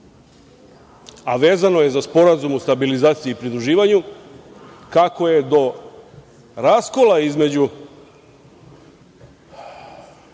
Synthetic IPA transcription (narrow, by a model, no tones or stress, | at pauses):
aʋe̞ːzano̞je̞zaspo̞ɾazumust̪abilizaːt̪sijeipɾid̪ɾuʒiːʋaɲu | kako̞je̞d̪o̞ | ɾasko̞lˠaizme̞d͡ʑu